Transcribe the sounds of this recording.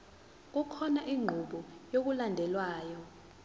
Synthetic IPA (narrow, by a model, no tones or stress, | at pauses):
k̬ukʰɔnaʔiŋ͡ǃʱuɓɔjok̬ulandʱɛlwaːjɔ